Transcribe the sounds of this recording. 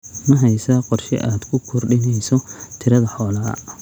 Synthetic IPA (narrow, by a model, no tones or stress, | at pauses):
mɐɦɛjsaːqɔrʃɛ̰ʔaːd̪̥kʰʊkʰʊrɖɪnɛjsɔt̪ʰɪɾɐðɐħɔːlɐɐ̰